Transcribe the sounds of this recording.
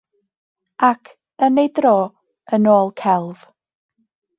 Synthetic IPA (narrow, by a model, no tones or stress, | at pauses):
ʔakʰ | ənejdrɔː | ənoːlˠkʰɛlˠv̥